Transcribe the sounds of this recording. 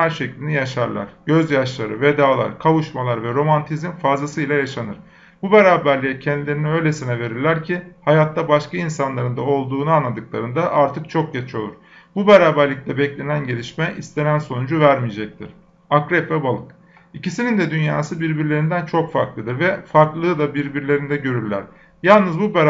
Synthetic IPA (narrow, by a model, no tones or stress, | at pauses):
hæɾʃɛclʲind̪ɛjaʃa̰ɾlˠa̰ɾ̥ɟ̥øzjaʃlˠaɾɯved̪aːlˠa̰ɾkʰavuʃmalˠaɾvɛɾo̞mant̪ʰizimfazlˠasɯjlʲˠajaʃanɯɾ̥ | bubeɾaːbæɾlʲicʰɛnd̪ilʲeɾiniø̞jlʲe̞sinɛve̞ɾiɾlʲæɾcʰihajat̪ːabaʃkainsanlˠaɾɯnd̪ao̞lˠd̪uːnuanlˠad̪ɯklˠaɾɯnd̪aʔaɾt̪ʰɯk̚t͡ʃʰo̞k̚ɟet͡ʃʰo̞lˠuɾ̥ | bubeɾaːbæɾlʲic̚ʲlʲɛbɛclʲe̞nænɟe̞lʲiʃmɛʔist̪ʰe̞nænso̞nud͡ʒuvæɾmijed͡ʒɛc̚t̪ʰiɾ̥ | akɾɛpvɛbalˠɯk | icisinind̪ɛd̪ynjaːsɯbiɾbiɾlʲe̞ɾind̪ænt͡ʃʰo̞kfaɾklˠɯd̪ɯɾvɛfaɾklˠɯːd̪abiɾbiɾlʲe̞ɾind̪ɛɟø̞ɾyɾlʲæ̰ɾ̥ | jalˠnɯzbubɛɾ